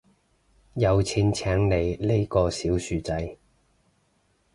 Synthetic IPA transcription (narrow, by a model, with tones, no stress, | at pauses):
jɐ˨˧wt͡sʰiː˧nt͡sʰɛː˨˥ŋle˨˧jle˥jkɔː˧siː˨˥wsyː˨˧t͡sɐ˨˥j